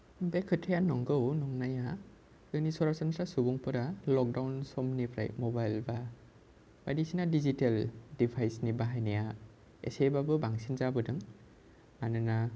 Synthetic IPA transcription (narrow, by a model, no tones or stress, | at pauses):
bekʰɯtʰejanɔŋɡɯwnɔŋnaja | dɯnisɔɾasɔnsɾasubɔŋpɯɾalɔk̚dawnsɔmnipʰɾa̰jmɔbajlba | ba̰jdisinadiziteldipʰajsnibaɦajnija | ḛsebabɯbaŋsinzabɯdɯŋ | anɯna